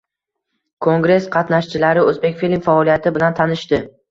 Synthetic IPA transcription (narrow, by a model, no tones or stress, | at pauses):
kʰoŋɡɾe̞sqʰɑt̪naʃt͡ʃʰɪlaɾɪɵzbe̞kʲfilʲmfaɒlijat̪ʰɪbɪlant̪ʰanɪʃt̪ɪ